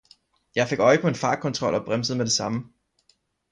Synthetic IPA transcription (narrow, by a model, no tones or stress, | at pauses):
jɑ̈ɪfe̝ɡ̥ɒ̽ɪəpʰɒ̽e̝nfɑ̈ːkʰɒ̽nt͡sʰʁɒ̽l̰ɒ̽b̥ʁamsð̩ˠmed̥e̝sɑ̈mə